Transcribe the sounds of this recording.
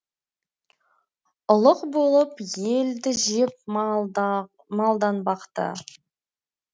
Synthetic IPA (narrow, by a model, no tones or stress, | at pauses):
ʊlˠəqbo̞lˠəpje̞ld̪ɪʒɪp̚ | mɑlˠd̪ɑnbɑqt̪ə̰